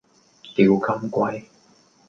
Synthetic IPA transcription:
ti˨˩wkɐ˧˥mkʷa˧˥j

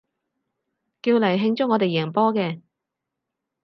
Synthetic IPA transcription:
kiː˧wlɐ˨˩jɦɪ˧ŋt͡sʊ˥ŋɔː˨˧t̪e˨jɛː˨˩ŋpɔː˥kɛː˧

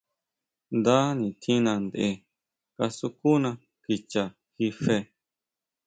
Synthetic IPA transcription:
nd̪a˦nĩ˨t̪ʰĩ˦nã˧nd̪e˨ʔe˧ | ka˧su˧ku˦nã˧ | ki˧t͡ʃa˨ | xi˧fe˧

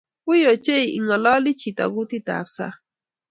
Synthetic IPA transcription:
u˦jo˨t͡ʃe˦jḭ˨ŋa˨la˦li˦t͡ʃi˨t̪a̰˨ɡu˦t̪i˦t̪a̰psa̰˦

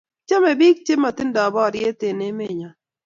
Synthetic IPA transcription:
t͡ʃa˦me˨bi˦k̚t͡ʃe˦ma˨t̪ɪ˦ndɔ˨bɔ˦˨ɾje˦t̪e˨ne˦me˦˨ɲa˨

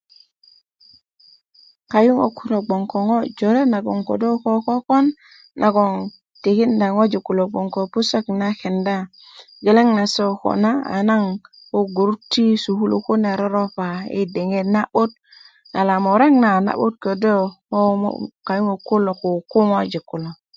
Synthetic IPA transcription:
ka˨ju˦ŋo̰˨ku˦lo˨ɡ͡bo˨ŋko˨ŋo˦d͡ʒo˨ɾe˦na˨ɡo̰˨ŋko̰˨do˦ko˦ko˦ko˦nː | ʔa˨ɡo˨ŋ | ti˨ki˦nda˨ŋo˦d͡ʒi˨ku˨lo˨ɡ͡bo˨ŋko˨pu˦sa˦kna˦ke˨nda˦ | ɡe˨le˦ŋna˨so˦ko̰˨na˦a̰˨˦na˦ŋ | ko˦ɡu˨ɾu˦tːi˦su˨hu˦lṵ˨ku˦ne˨ɾo˦ɾo˦pa˨ḭ˦de˨ŋe˦na˦ɓo˦t̚ | na˨la˨mo˨ɾe˦ŋna˨na̰˨ɓu˦t̚ko˨do˦ | o̰˦ka˨ju˦ŋo˨ku˦lo˨ku˨ku˦ŋo˦d͡ʒi˨kːu˨lo˨

